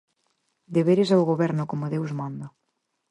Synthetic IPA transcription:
d̪eβeɾɪsawɣoβɛɾnʊkomoðewzmãnd̪a

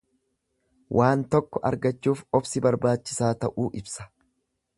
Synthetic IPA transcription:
wʔaːnt̪ɔkːɔʔɐɾɡɐt͡ʃːuːfɔbsɪbɐɾbaːt͡ʃːɪ̥saːt̪ɐʔuːʔɪbsɐ̥

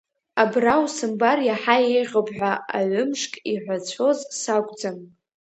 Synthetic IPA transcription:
abrawsɨmbarjaħajejʁʲopʰʼħʷᶣaaʕʷʊmʂkʼiħᶣʷat͡ɕʷʰo̞zsakʷʼd͡zam

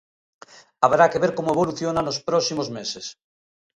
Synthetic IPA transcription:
aβɾakeβeɾkomoeβoluθjonanospɾɔsimozmeses

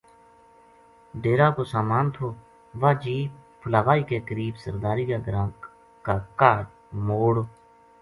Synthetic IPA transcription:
ɖeːɾaːkoːsaːmaːnt̪ʰoː | ʋaːd͡ʒiːpʰəlaːʋaːiːkeːkəɾiːbsəɾd̪aːɾiːkaːɡəɾãːk | kaːkaːɖ | moːɽo

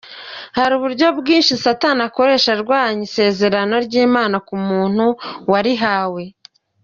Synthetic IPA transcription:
haɾuβuɾɟo̞bɡiːnʃisatanako̞ɾe̞ːʃaɾɡwaːɲise̞ːze̞ɾano̞ɾɟiːmaːnakumuːn̥huwaɾiɦaːwe̞

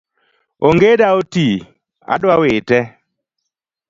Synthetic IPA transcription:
oŋɡedaoti | a̰ɗwawetɛ

